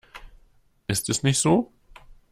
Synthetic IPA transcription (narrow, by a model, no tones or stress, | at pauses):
ʔɪstɛsnɪçtz̥oː